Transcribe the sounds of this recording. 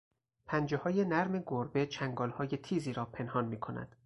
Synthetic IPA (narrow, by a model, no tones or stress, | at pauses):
pʰænd͡ʒehɒːje̞næɾme̞ɡoɾbe̞t͡ʃʰæŋɡɒːlhɒːje̞t̪ʰiːziːɾɒːpʰe̞nhɒːnmiːkʰo̞næ̰d̪̥